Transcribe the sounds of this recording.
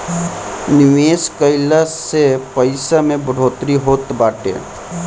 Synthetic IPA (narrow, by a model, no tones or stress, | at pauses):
nɪʋeːskəɪlasepəɪsamẽbʊɽ̤ʱoːt̪ɾiɦoːt̪baːʈḛː